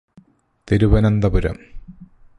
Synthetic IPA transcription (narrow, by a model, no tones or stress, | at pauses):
t̪iɾuʋɐnɐnd̪ɐpuɾɐ̰m